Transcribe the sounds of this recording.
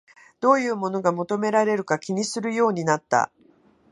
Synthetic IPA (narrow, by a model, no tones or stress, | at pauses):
d̪̥o̞ːjɯ̟ːmo̞no̞ɡamo̞t̪o̞me̞ɾaɾe̞ɾɯ̟kakʲiɲ̟isɨɾɯ̟jo̞ːɲ̟inat̪ːa̰